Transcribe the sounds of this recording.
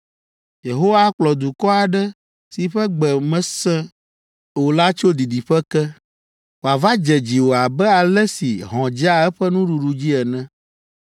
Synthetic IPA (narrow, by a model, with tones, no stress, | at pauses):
je˨ɦo˦wa˦k͡plɔ˨d̪u˨kɔ˦a˨ɖɛ˦ | si˨ɸɛ˦ɡ͡bɛ˨mɛ̃˦sɛ̃˦ | wo˨la˦t͡ʃo˦d̪i˨ɖi˨ɸɛ˦kɛ˦ | wo˨a˨va˦d͡ʒɛ˨d͡ʑi˨wo˨a˨bɛ˦a˨lɛ˦sḭ˨ɦɔ̃˨d͡ʒi˦a˦ɛ˦ɸɛ˦nũ˦ɖu˨ɖu˨d͡ʑi˦ɛ˨nɛ̃˦